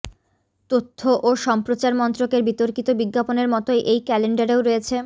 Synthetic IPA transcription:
t̪ot̪ʰːoʔoʃɔmpɾot͡ɕaɾmɔnt̪ɾokeɾbit̪oɾkit̪obiɡːaponeɾmɔt̪oeʔejkɛleɳɖaɾeoɾojet͡ɕʰe

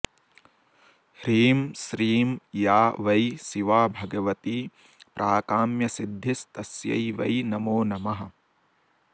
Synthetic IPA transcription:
hɾiːmsɾiːmjaːʋɐjsiʋaːbʱɐɡɐʋɐt̪iː | pɾʔaːkaːmjɐsid̪ʱːist̪ɐsjɐ̰jʋɐ̰jnɐmoːnɐmɐɦɐ̆

